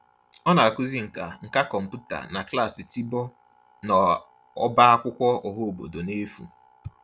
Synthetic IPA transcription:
ɔ˦na˨a˨ku˦zi˦ŋ̩˨ka˨ŋ̩˨ka˦kɔ˨m̩˨pu˦ta̰˨na˨kla˦˨si˨ti˦bɔ˦ | nɔ˨ | ɔ˦ba˦a˦kʷʊ˦kʷɔ˦ɔ˨ɦo˦˨bo̰˨do˨ne˦fṵ˨

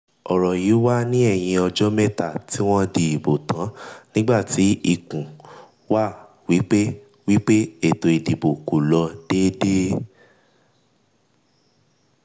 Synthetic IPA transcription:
ɔ˨ɾɔ˨ji˨˦wa˦nĩ˦ɛ˦˨j̃ĩ˧ɔ˧d͡ʒɔ˦mɛ˦ta˦˨tʰi˦w̃ɔ̃˦di˨i˨bo˨tã˨˦nĩ˦ɡ͡ba˦˨ti˨˦i˧˨kũ˨ | wa˦˨ | wi˨˦k͡pe˦ | wi˦k͡pe˦e˦˨to˧i˨di˨bo˨ku˨lɔ˧d̥e˦de˦

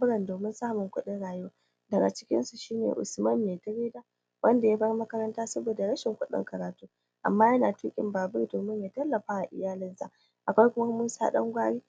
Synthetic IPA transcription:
bʊ˦ɽɐ˨ndoː˨mɪ˦nsaː˦mʊ˨ŋkʷʊ˦ɗɪ˦nɽaː˨jʊ˦oː˦ | dɐ˨ɡa˨t͡ʃɪ̥˦kʲɪ̰˦nsu˨ʃiː˦nḛ˨ʔʊ̰˨smɐ˦mːeː˨tɐ˦ɾeː˦daː˦ | wʔɐ˦nda˨ja˦bɐ˦rmɐ˦kɐ˦ɾɐ˦ntaː˦sɐ˦boː˨da˨ɽɐ˦ʃɪ˨ŋkʷʊ˦ɗɪ̰˦ŋkɐ˨ɾaː˨tuː˦ | ʔa̰˨mːaː˦jɐ˦naː˨tuː˦kʲʼɪ̰˨mbaː˨bɪ˦rdoː˨mɪ˦ɲjaː˨tɐ˦lːɐ˨ɸaː˦ʔa˨ʔɪ̰˨jaː˦lɪ˦nza̰˦ʔ | ʔa˨kʷa˦jkʷʊ˦ma˦muː˦sa̰ː˦ɗɐ̰˦ŋɡʷaː˦ɽiː˦

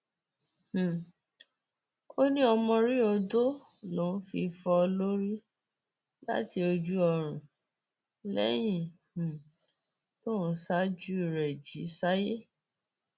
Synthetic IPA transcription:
h̩˨ | o˦nĩ˦ɔ˧mɔ̃˧ɾi˦ɔ˧do˦ | lo˨˦˨n̩˦fi˧fɔ˧o˧lo˦ɾi˦ | la̰˦ti˧o˧d͡ʒu˦ɔ˧˨ɾ̃ũ˨ | lɛ̰˦j̃ĩ˦˨ | h̩˨ | to˦˨ñ̩˨˦sa˦d͡ʒu˦i˨ɾɛ˨d͡ʒi˨˦sa˦je˦

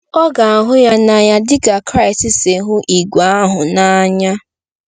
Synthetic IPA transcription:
ɔ˦ɡa˨a˨ɦʊ˦ja˦na˨ja˦dɪ˦ka˨kɾa˦˨ɪ˨stɪ˨se˨ɦʊ˦ʔi˨ɡʷa˦a˦ɦʊ˨na˦ɲa˦

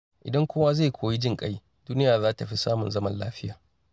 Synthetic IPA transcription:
ʔɪ̰˨dɐ˦ŋkʷoː˦wa˦za˦˨kʷʰoː˨ji˦d͡ʒɪ˦ŋkʼa˦j | d̥uː˦nɪ˦jaː˨zaː˦ta˨ɸi˦saː˦mʊ˨nzɐ˦mɐ˦nlaː˦ɸɪ˦jaː˨

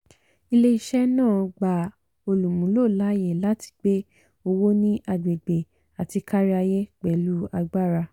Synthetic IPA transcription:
i˧le˦i˦˧ʃɛ˦nãː˦˨ɡ͡ba˨ | o˧lu˨mũ˨˦lo˦˨la˨˦je˦˨la˦ti̥˧k͡pe˦ | o˧wo˦nĩ˦ʔa˧ɡ͡be˨ɡ͡be˨ | a˨ti˧ka˦ɾi˦a˧jɛ˦k͡pɛ˨lu˦a˧ɡ͡ba˦˨ɾa˧

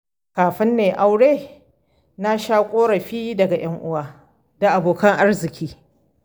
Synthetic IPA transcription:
kaː˨ɸɪ˦nːeː˨ʔa˦wɽeː˦ | na˦ʃaː˦kʷʼoː˦ɽɐ˨ɸiː˦dɐ˨ɡa˨j̰ɐ˦ŋʔʊ˦waː˦ | d̥a˨ʔa˨boː˨kɐ˦ŋʔa˦rzɪ˨kʲiː˦

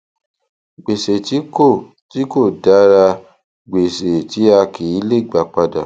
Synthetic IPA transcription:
ɡ͡be˨se˨ti˦ko˦˨ | ti˦ko˦˨da˨˦ɾa˧ | ɡ͡be˨se˨ti˨˦a˧kʰi˨i˦le˦˨ɡ͡ba˨k͡pa˧da̰˨

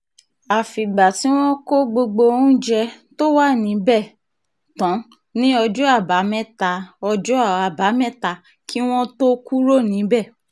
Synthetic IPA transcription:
a˨fi˨ɡ͡ba˨ti˨˦w̃ɔ̃˦ko˦ɡ͡bo˧ɡ͡bo˧ũ˦d͡ʒɛ˧ | to˦wa˦˨nĩ˨˦bɛ˦˨ | tɔ̃˨˦ | nĩ˦ɔ˧d͡ʒu˦a˦˨ba˨˦mɛ̃˦ta˧ɔ˧d͡ʒu˦˨a˨ba˨˦mɛ̃˦˨ta˧˦ | kʰi˦w̃ɔ̃˦to˦ku˦ɾo˦˨nĩ˨˦bɛ˦˨

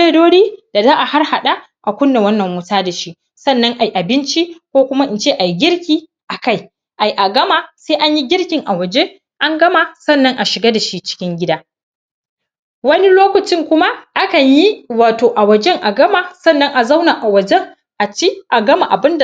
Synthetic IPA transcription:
e˦doː˦ɽiː˦d̥a˨zaː˦ʔa˨ha˦rha˨ɗa˦ | ʔa˨kʷʊ˦nde˨wɐ˦nːɐ˨mːʊ˦taː˦da˨ʃi˦ | sɐ˦˨nːɐ˦ŋʔa˨ji˨ʔa˨bɪ˦nt͡ʃi˦kʷoː˦kʷʊ˦ma˦ʔɪ˨nt͡ʃeː˦ʔa˨ji˦ɡʲɪ˦ɽkʲiː˦ | ʔa˨ka˦˨j | ʔa˨jʔa˨ɡɐ˦ma˨seː˦ʔa˦ɲji˦ɡʲɪ˦ɽkʲɪ˨ŋʔa˨wɐ˨d͡ʒe˦ | ʔa˦ŋɡɐ˦ma˨sɐ˦˨nːɐ˦ŋʔa˨ʃɪ˨ɡaː˦da˨ʃi˦t͡ʃɪ̥˦kʲɪ˦ŋɡʲɪ˦daː˦ | wɐ˦ni˦loː˦kʷɐ˨t͡ʃɪ˦˨ŋkʷʊ˦ma˦ʔa˦kɐ˨ɲji˦waː˨toː˨ʔa˨wɐ˨d͡ʒɛ˦ŋʔa˨ɡɐ˦ma˨sɐ˦nːɐ˦ŋʔa˨za˦wna˨ʔa˨wɐ˨d͡ʒɛ˦ŋ | ʔa˨t͡ʃi˦ʔa˨ɡɐ˦ma˨ʔa˨bɪ˦nda˨

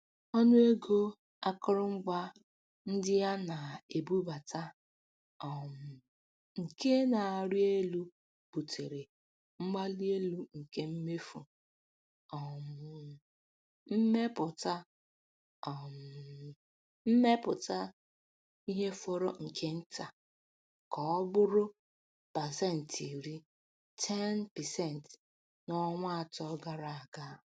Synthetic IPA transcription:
ɔ˦nʊ˦e˦ɡo˦ | a˦kʊ˦ɾʊ˦ŋ͡m̩˦ɡ͡ba˦ | n̩˦dɪ˦ja˦na˨e˨bu˦ba˨ta˦ | ɔ˨m̩˨ | ŋ̩˨ke˦na˨a˨ɾi˦e˦lu˦ | b̥u˨te˨ɾe˨ | m̩˦ma˦li˦e˦lu˦ŋ̩˨ke˦m̩˦me˦fu˨ | ɔ˨m˨ | m̩˦me˦pʊ˨ta˦ | ɔ˨m˨ | m̩˦me˦pʊ˨ta˦ | i˦ɦe˦fɔ˦ɾo˦ŋ̩˨kʰe˦n̩˦ta˨ | kɔ˨ɔ˦bʊ˦ɾʊ˦ | pa˨sɛ˦˨n̩˨tʰi˨ɾi˦ | tʰɛ˦npɛ˨sɛ˦˨n˨t | nɔ˦ŋʷa˦a˨tɔ˦ɡa˦ɾa˨a˨ɡa˦

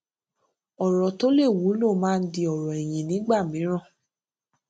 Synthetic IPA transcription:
ɔ˨ɾɔ˨to˦le˦˨wu˨˦lo˦˨mãː˦˧n̩˦di˧ɔ˨ɾɔ˨ɛ˨j̃ĩ˨nĩ˨˦ɡ͡ba˦˨mĩ˨˦ɾ̃ɔ̃˦˨

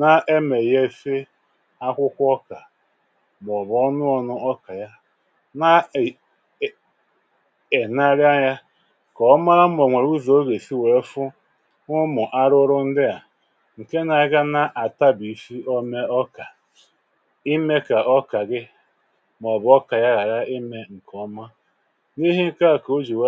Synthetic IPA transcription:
na˦ʔe˦me˨je˦e˨fe˦ | a˦kʷʊ˦kʷɔ˦ka˨ | m˨ɔ˨bɔ˦nʊ˦ɔ˨nʊ˦ɔ˦ka˨ja˦ | na˦˨ | e˨na˦ɾja˦ja˦ | kɔ˨ɔ˦ma˦ɾa˦mɔ˨ŋʷe˨ɾu˦zo˨˦o˦ɡe˨si˦we˨˦fʊ˦ | ʊ˦mʊ˨ʔa˦ɾʊ˦ɾʊ˦n̩˦dɪ˦ja˨ | ŋ̩˨ke˦na˨ɪ˦ɡa˦na˦˨ʔa˨ta˦bi˨˦fi˦o˦me˦ɔ˦ka˨ | i˦me˦ka˨ʔɔ˦ka˨ɡɪ˦ | m˨ɔ˨bɔ˦ka˨ja˦ɾa˨ɾa˦i˦me˨ŋ̩˨kɔ˦ma˦ | ni˦ɦi˦ŋ̩˦ka˦˨ko˦d͡ʒi˨we˦

